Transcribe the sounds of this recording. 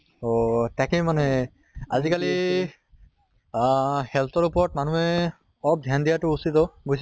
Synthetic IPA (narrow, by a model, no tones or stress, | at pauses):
ot̪akemane | azikali | hɛlt̪ʰɔɹupɔɹɔt̚manuɦɛ | ɔɹɔp̚d̪ʱjand̪ijatʊusit̪ɔbojs